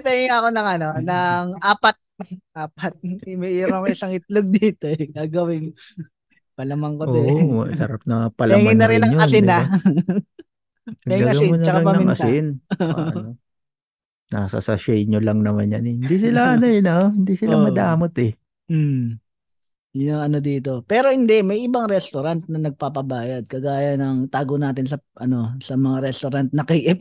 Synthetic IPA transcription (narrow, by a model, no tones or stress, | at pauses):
pɛːŋɪŋɐko̞nɐŋɐno̞nɐŋʔaːpɐt̪̚ʔaːpɐt̪̚ɪmiʔiːɾɐkoɪsɐŋɪt̪̚loɡ̚d̪iːt̪oɛɡaːɡɐwɪŋ | pɐlɐmɐŋkoʔt̪oɛ̰sɐɾap̚nɐpɐlɐŋɪnːɐɾɪnnɐŋɲoɐɪna | ɐɛɡaɐɡsɐɪmonɐt͡ʃɐkaɐŋpɐɐmɪŋnɐ̰sɪnɐno | nasɐ̰sɐ̰ʃɛjɲolɐŋnɐmanjɐnɛhɪnd̪isɪlaʔɐnojnahɪnd̪isɪlamɐd̪aːmot̪ɛ | m̩ | jʊnɐŋɐnod̪iːt̪o̞pɛːɾo̞hɪnd̪ɛmɐjʔɪbɐŋɾɛst̪oɾant̪̚nɐnɐɡ̚paːpɐbaːjɐd̪̚kɐɡaːjɐnɐŋt̪aːɡonaːt̪ɪns̬ɐʔɐno̞sɐmɐŋaɾɛst̪oɾant̪̚nɐkiːʔɪp̚